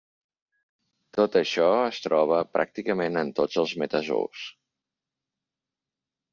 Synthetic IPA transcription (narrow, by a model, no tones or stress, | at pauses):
t̪ot̪əʃɔəst̪ɾɔβ̞əpɾʔa̰k̚t̪ikəmenənt̪od͡zəlˠzmət̪əzo̰ws